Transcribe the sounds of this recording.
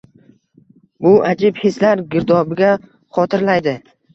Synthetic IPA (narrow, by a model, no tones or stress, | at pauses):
bʊad͡ʒɪbheslaɾɡʲɪɾd̪ɒbɪɡʲa | χɒt̪ʰɪɾlajd̪ɪ